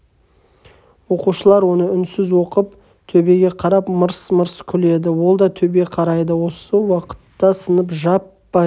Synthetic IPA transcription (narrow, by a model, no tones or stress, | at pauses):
wo̞quʃəlˠɑɾwo̞nəʏnsɪzwo̞qəp | t̪ʰɵbe̞ɡʲe̞qʰɑɾɑpməɾsməɾskʲʰʏle̞d̪ɪwo̞lˠd̪ɑt̪ʰɵbe̞qʰɑɾɑjd̪əwo̞səwɑqə̥t̪ːɑsənəpʒɑpːɑ